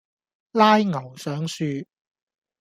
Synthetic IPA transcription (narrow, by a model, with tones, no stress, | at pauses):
laː˥jŋɐ˨˩wsœː˨˥ŋsyː˧